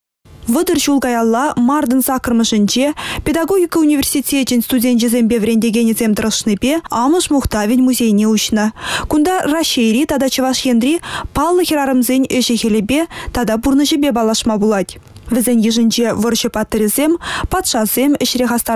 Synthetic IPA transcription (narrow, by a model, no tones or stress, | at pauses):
vəd̪ərʒulˠɡɑjɑlˠːɑmɑrd̪ənsɑkərmə̆ʒɪ̆nʲʒepʲed̪ɑɡo̞ɡʲikəunʲivʲersʲit̪ʲeenʲst̪udʲent̪ʒezʲemʲbʲevɾʲenʲd̪ʲe̞ɡʲenʲezʲemt̪əɾəʃnəbʲeɑməʃmuχt̪ɑvʲɪnʲmuzʲejɪnʲeuɕnəkund̪ɑraʃejɾʲit̪ɑd̪ɑt͡ɕəvɑʃkʲend̪rʲipʰɑlˠːəxʲeɾɑɾəmzʲenʲɪʒekʲelʲɪbʲet̪ʰɑd̪ɑburnəʒəbʲebɑlˠɑʃmɑbulˠɑt̪ʲvɪzʲenʲjeʒɪ̆nʒevorʃəpɑt̪ːəɾʲez̥ʲempʰɑt̪ʃɑz̥ʲemɪ̆ʃɾʲeχɑst̪ɑ